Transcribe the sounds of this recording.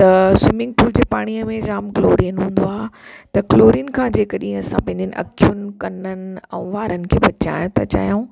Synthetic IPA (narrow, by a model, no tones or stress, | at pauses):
t̪ɐswɪmɪ̃ŋɡ̚ʈuːld͡ʑeːpaːɽ̃iəmẽd͡ʑaːmkloːɾiənɦũːnd̪oaːɦet̪ɐkloːɾiːənkʰãːd͡ʑeːkəɗĩɐsãpɐ̃ɦɪ̃nd̪jən̆ʔɐ̰kʰjʊnɪ̆kɐnənɪ̆ɛ̰̃ːʋaːɾənɪ̆kʰeːbʱɐt͡ɕa̰ːɪɽ̃t̪ʰat͡ɕa̰ːjõː